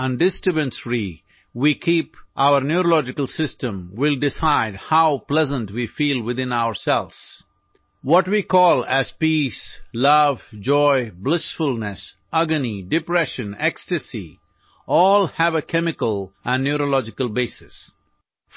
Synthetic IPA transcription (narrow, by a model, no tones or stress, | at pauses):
ə̃nɖɪsʈɾɨbə̃nsɾi | wikʰipʔaʊəɾnjuɾolɔd͡ʒɪkəlˠsɪstə̃mwɪlɖɪsaɪdhaʊplɛzə̃nʈwifiːlˠwɪðɪ̃naʊəɾsɛlz̥ | wɔʈwikʰɔːlæz̥pislʌvd͡ʒɔɪblɪsfʊlˠnəs | ʔʌɡənidɪpɾɛʃə̃nɛkstɨsi | ɔːlˠhæʋəkʰɛmɪkəlˠʔæ̃nːjuɾolɔd͡ʒɪkəlˠbeɪsɪs